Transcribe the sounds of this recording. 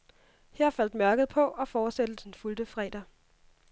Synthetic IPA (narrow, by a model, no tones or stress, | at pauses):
hæɐ̰fæl̰d̥mɶɐɡ̥ð̞̩ˠpʰɒ̽ʔɒ̽fɒːsed̥əð̩ˠd̥enfuld̥əfʁɛ̰d̥ɐ